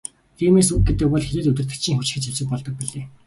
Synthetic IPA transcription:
t̪ʰiːmeːsuːɡet̪ɘ̆k̚pɔɮxeɾeːɮɵt̪ɘr̥t̪ɘ̆kt͡ɕʰĭŋxut͡ɕ̆xɘ̆t͡ɕæɮt͡ɕɪ̆k̚pɔɮt̪ɞ̆k̚piɮeː

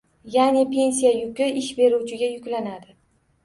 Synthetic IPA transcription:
janepʰe̞ns̬ijajʊkʲɪʔɪʃbe̞ɾut͡ʃʰɪɡʲajʊkʲlanad̪ɪ

